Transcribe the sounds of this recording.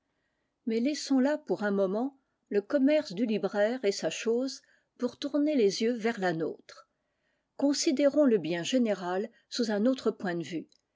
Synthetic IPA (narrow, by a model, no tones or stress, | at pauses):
mɛlɛsɔ̃lapuʁɛ̃mɔmɑ̃ | ləkɔmɛʁsd̪ylibʁɛʁesaʃoːz | puʁt̪uʁnelezjøvɛʁlano̰ːt̪χ | kɔ̃sid̪eʁɔ̃ləbjɛ̃ʒeneʁal | suzɛ̃not̪χəpwɛ̃d̪əvy